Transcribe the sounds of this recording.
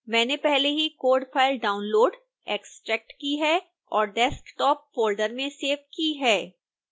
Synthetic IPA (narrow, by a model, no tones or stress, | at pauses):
mɛ̃ːnepɛɦleɦikoːɖfʰaːɪlɖaːʊnloːɖ | eːksʈɾɛːk̚ʈkiɦɛ | ɔːɾɖɛskʈɔːp̚ːoːɾlɖəɾmẽseːʋkiɦɛː